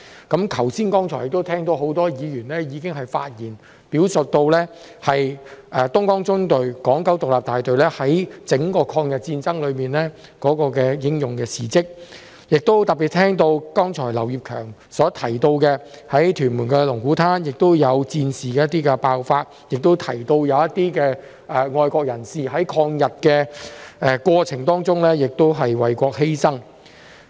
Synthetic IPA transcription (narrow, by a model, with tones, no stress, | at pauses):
kɐ˨˥mk̪ʰɐ˨˩wsiː˥nkɔː˥ŋt͡sʰɔː˨˩jɪ˨k̚t̪o˥wt̪ʰɛː˥ŋt̪o˧who˨˥wt̪ɔː˥jiː˨˧jyː˨˩nlɛː˥jiː˨˧kɪ˥ŋɦɐ˨jfa̰ː˧t̚jiː˨˩n | piː˨˥wsʊ˨t̚t̪o˧wlɛː˥ | hɐ˨jʔɛ˨t̪ʊ˥ŋkɔː˥ŋt͡sʊ˥ŋt̪ɵ˨ɥkɔː˨˥ŋkɐ˨˥wt̪ʊ˨k̚laː˨p̚t̪aː˨jt̪ɵ˨ɥlɛː˥hɐ˨˥jt͡sɪ˨˥ŋkɔː˧kʰɔː˧ŋjɐ˨t̚t͡siː˧nt͡sɐ˥ŋlɵ˨˧ɥmiː˨nlɛː˥ | kɔː˨˥kɔː˧kɛː˧jɪ˨˥ŋjʊ˨˩ŋkɛː˧siː˨˩t͡sɪ˥k̚ | jɪ˨k̚t̪o˥wt̪ɐ˨k̚pi˨t̚t̪ʰɛː˥ŋt̪o˧wkɔː˥ŋt͡sʰɔː˨˩jlɐ˨˩wjiː˨p̚kʰœː˨˩ŋ | sɔː˨˥t̪ʰɐ˨˩jt̪o˧wkɛ˧ | hɐ˨˥jt̪ʰyː˨˩nmuː˨˩nkɛː˧lʊ˨˩ŋkuː˨˥t̪ʰaː˥njɪ˨k̚t̪o˥wjɐ˨˧wt͡siː˧nsiː˨kɛː˧jɐ˥t̪iː˥kɛ˧paː˧wfaː˧t̚ | jɪ˨k̚t̪o˥wt̪ʰɐ˨˩jt̪o˧wjɐ˨˧wɐ˥t̪iː˥kɛː˧ | ɛ˨ŋɔː˧jkɔː˧k̚jɐ˨˩nsiː˨ɦɐ˨˥jkʰɔː˧ŋjɐ˨t̚kɛː˧ɛ˧kʷɔː˧t͡sʰɪ˨˩ŋt̪ɔː˥ŋt͡sʊ˥ŋlɛː˥jɪ˨k̚t̪o˥wɦɐ˨jwɐ˨˩jkʷɔː˧k̚he˥jsɐ˥ŋ